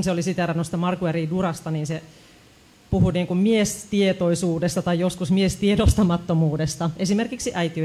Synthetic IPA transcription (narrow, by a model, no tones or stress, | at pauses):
nseolisit̪ærænost̪ɑmɑrkueriːdurɑst̪ɑniːnse | puhuniːŋkummiest̪iet̪oisuːdest̪ɑt̪ɑjjoskusmiest̪iedost̪ɑmɑt̪ːomuːdest̪ɑesimerkiksiʔæit̪iø